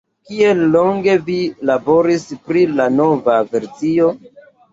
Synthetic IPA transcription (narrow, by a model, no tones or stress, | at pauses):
kielːo̞ŋɡe̞vilabo̞ɾispɾilano̞vave̞ɾsio̞